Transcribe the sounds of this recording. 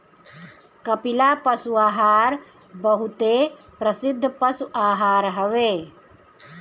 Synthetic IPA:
kɐpɪlaːpɐsuaːɦaːɾ | bɐɦʊt̪e | pɾɐsɪd̪ʱːpɐsuʔaːɦaːɾɦɐʋeː

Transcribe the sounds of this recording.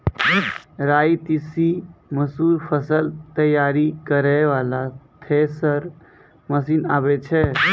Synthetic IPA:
ɾaːit̪isiməsuːɾpʰəsəlt̪əjaːɾikəɾɛʋalat̪ʰesəɾ | məsiːnaːbɛt͡ʃʰɛ

